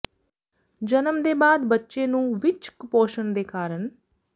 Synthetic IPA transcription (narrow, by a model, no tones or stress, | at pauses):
d͡ʒənəmd̪eːbaːd̪bətːʃeːnũːʋɪt͡ʃkpoːʃənd̪eːkaːɾən